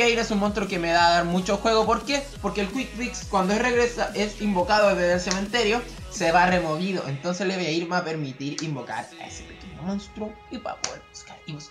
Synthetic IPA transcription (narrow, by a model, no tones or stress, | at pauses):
jaiɾesunmonst̪ɾokemeðaːðaɾmut͡ʃoxwe̞ɣopo̞ɾke̞poɾkeːlkwik̚bikskwand̪oesre̞ɣɾesaʔesimbo̞kaðoeðeðelseme̞nt̪eɾjo̞seβare̞mo̞βiðo̞e̞nt̪onseleβojaiɾmape̞ɾmit̪iɾimbo̞ka̰ɾa̰ḛse̥pekeɲomo̞nst̪ɾu | ipa̰peuskaɾiβus